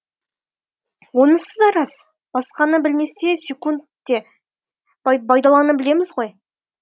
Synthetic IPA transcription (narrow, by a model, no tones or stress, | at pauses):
wo̞nəsəzd̪ɑɾɑz | b̥ɑsqɑnəbɪlme̞st̪e̞sʲe̞kunt̪ː | e̞ | bʰɑjd̪ɑlˠɑnəbɪle̞mɪzʁo̞j